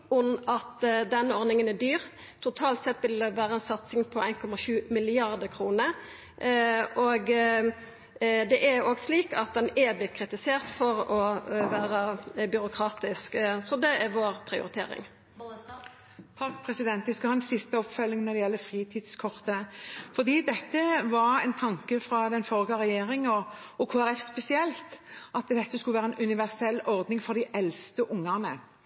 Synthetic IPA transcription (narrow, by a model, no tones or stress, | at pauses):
ʊmɑt̪d̪ɛnːəɔɾnɪŋənæd̪yːʁ | t̪ʰʊt̪ʰɑːlt̪sɛt̪ːʋɪlʋæːʁəɛnsɑt̪sɪŋpʰɔæɪnkʰɔmɑʃʉːmɪlɪɑʁd̪əkʰʁuːnə | ʔoɡ | d̪ɛʔæɾoːɡsliːkɑt̪̚d̪ɛnɛblɪt̪̚kʰɾɪt̪ɪseːʁt̪fɔɾɔʋæːɾəbʏɾʊkʰɾɑːt̪ɪsksɔd̪ɛæɾʋoːʁpʰɾɪʊ̰ɾɪt̪ʰḛːɾɪ̰ŋ | t̪ʰɑkːpʰɾɛsɪd̪ɛnt̪ʋɪskɑhɑːɛnsɪst̪əɔpfœlːɪŋnɔd̪ɛjɛlːəfʁiːt̪ʰiːd̪skʰɔʁt̪əfɔd̪iːd̪ɛt̪ːəʋɑɾɛɪnt̪ʰɑŋkəfɾɑd̪ɛnfɔlɡɑʁɛjeːɾɪŋɔ | ɔkʰoːæɾɛfspɛsɪɛlt̪ʔɑt̪d̪ɛt̪ːəskʉləʋæːɾəɛnʔʉnɪʋæʁsɛlːɔʁd̪nɪŋfɔd̪ɪʔɛlst̪əʔʊŋːənə